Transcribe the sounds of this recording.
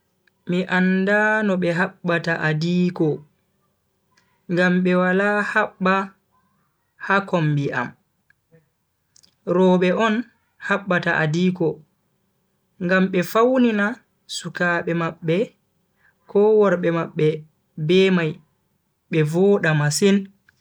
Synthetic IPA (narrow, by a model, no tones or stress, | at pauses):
miʔandanɔɓɛɦaɓːataʔadiːkɔ | ŋɡamɓɛwalahaɓːa | hakɔmbiʔa̰m | ɾɔːɓɛʔɔn | haɓːataʔadiːkɔ | ŋɡamɓɛfawnina | sukaːɓɛmaɓːɛ | kɔwɔɾɓɛmaɓːɛ | bɛmaj | ɓɛvɔɗamasin